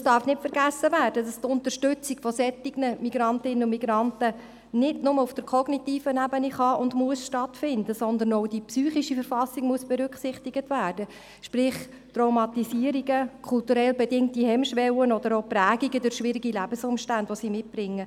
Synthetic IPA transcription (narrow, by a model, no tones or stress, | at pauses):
sd̥ɑːɾfnɪtfəɾɡæsːəvæːrd̥ədɑst̪ʊnt̪ərʃtʉt͡siɡfɔsɛtːiɡnəmiɡɾɑntɪnənʊmiɡɾɑntə | nɪdnʊməufd̥əɾkʰɔɡnitiːfənæbəniχɑʔʊndmuəsʃtɑtfɪndəsɔnd̪ənoʊdipsyːχiʃifəɾfɑsiɡmuəsb̥ɛɾʏkχsɪχtiɡətʋæːɾd̥ə | ʃpɾɪχ | t̪roʊmɑt̪isiəɾiɡəkʰʊltuɾɛlbɛdɪŋtihɛmʃʋɛwənɔd̪əɾopɾæːɡiɡədʊɾʃʋɪɾiɡilæb̥əsʊmʃtænd̥vʋɔsiːmɪt̚b̥ɾɪŋːə